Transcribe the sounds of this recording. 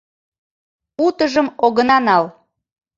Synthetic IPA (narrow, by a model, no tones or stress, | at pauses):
ut̪əʒəmoɣənɑnɑl